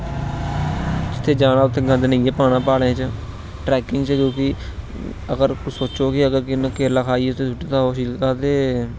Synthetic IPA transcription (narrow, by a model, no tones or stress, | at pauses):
d͡ʒɪt̪ʰːeːd͡ʒaːɽ̃aːʊt̪ʰːeːɡə̃d̪nəĩeːpaːɽ̃ãːpaːɽẽːt͡ʃə | ʈɾɛːkɪŋɡt͡ʃkjõːkɪ | əɡəɾksoːt͡ʃoːkɪəɡəɾkɪnãːkeːlaːkʰaːiːeːʊt̪ʰːeːt̪ʰʊʈːiːt̪ãːɦoːʃiːlkaːt̪eː